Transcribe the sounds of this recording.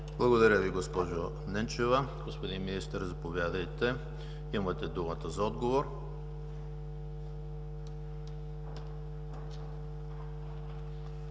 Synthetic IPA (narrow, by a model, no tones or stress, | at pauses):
blˠɐɡod̪ɐɾʲəviɡospɔʒo | nɛnt͡ʃɛvəɡospod̪inminist̪əɾzɐpovʲjad̪əjt̪ɛ | imət̪ɛd̪umət̪əzɐɔd̪ɡovoɾ